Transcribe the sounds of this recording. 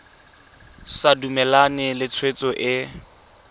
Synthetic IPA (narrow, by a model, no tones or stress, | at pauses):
sadumɛlanɪlɪt͡sʰwet͡sʼɔʔɪ